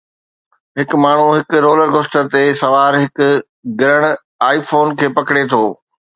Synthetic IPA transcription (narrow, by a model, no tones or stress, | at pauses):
ɦɪkmaːɳ̤uɦɪkʊɾoːləɾɡʊsʈə̆t̪esɐʋaːɾɦɪkʊ̆ | ɡɪɾəɽ̃ | aːifoːnkʰeːpɐkɽet̪ʰoː